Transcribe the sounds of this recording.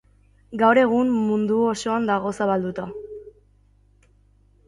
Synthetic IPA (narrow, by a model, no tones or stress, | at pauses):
ɡawɾe̞ɣ̞ummund̪uo̞so̞and̪aɣ̞o̞saβald̪ut̪a